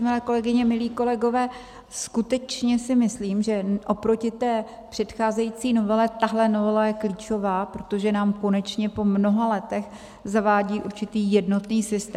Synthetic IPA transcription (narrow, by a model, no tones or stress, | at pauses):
mɪlɛːko̞lɛɡɪɲɛmɪliːko̞lɛɡo̞vɛː | skut̪ɛt͡ʃɲɛsɪmɪsliːmʒɛʔo̞pɾo̞cɪt̪ɛː | pr̝̥ɛt̪xaːzɛjiːt͡siːno̞vɛlɛt̪aɦlɛno̞vɛlajɛkliːt͡ʃo̞vaːpɾot̪o̞ʒɛnaːmko̞nɛt͡ʃɲɛpo̞mno̞ɦalɛt̪ɛx | zavaːɟiːʔuɾt͡ʃɪt̪iːjɛdno̞t̪niːsɪst̪ɛː